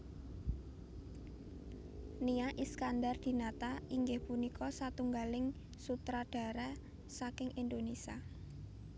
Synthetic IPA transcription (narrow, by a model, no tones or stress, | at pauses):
niaʔiskandard̪̥i̤nat̪aiŋɡɪhpunikʰɔsat̪uŋɡalɪŋ | sut̪ɾaɖ̥a̤ɾɛ | sakɪŋʔind̪onesia